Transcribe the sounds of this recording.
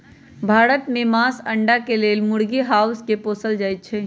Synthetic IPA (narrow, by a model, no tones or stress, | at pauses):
bʱaːɾət̪mẽmaːsɐ̃ɳɖakeleːlmʊɽɡiɦaːʊskepoːsəld͡ʒaːit̪t͡ʃʰeː